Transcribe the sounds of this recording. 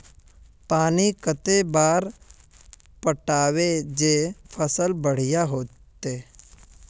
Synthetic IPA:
paːnikət̪ebaːɾ | pəʈaːwed͡ʒeːfʰəsəlbəɽ̤ijaɦoː | t̪eː

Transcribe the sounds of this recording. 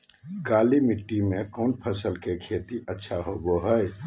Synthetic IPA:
kalimiʈːimekonpʰəsəlkekʰet̪iʔətːʃʰaɦoboɦəj

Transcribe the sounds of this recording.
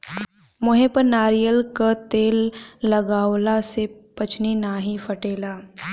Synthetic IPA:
mʊɦẽpəɾnaːɾijəlkat̪eːlːɐɡaːwlasepɐt͡ʃʰninaːɦĩfɐʈeːlaː

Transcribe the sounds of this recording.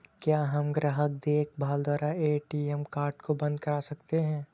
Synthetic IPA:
kjaːɦɐmɡɾaɦək̚d̪eːk̚ʰbʱaːld̪ʱwaːɾaeːʈiɛmkaːɾʈkobɐ̃nd̪kɐɾaːsɐkt̪eɦɛ̃ː

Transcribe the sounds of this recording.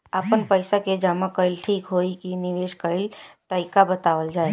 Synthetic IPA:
əpənpəɪsaked͡ʒamakəɾilʈʰikɦoikiniʋeskəɾilt̪əɪkabət̪aʋəld͡ʒae

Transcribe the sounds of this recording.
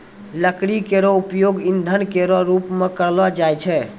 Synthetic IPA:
ləkɽikeɾɔupjoɡind̪ʱənkeɾɔɾupmekəɾlɔd͡ʒajt͡ʃʰɛ

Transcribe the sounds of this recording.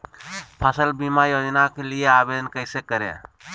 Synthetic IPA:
pʰasəlbimajod͡ʒnakelijaabed̪ənkəjsekəɾḛ

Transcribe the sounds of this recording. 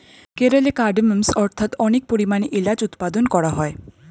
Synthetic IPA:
keɾolekaɖeməmsɔɾt̪ʰat̪ɔnek̚poɾimaniʔilad͡ʑut̪pad̪onkɔɾaɦɔe

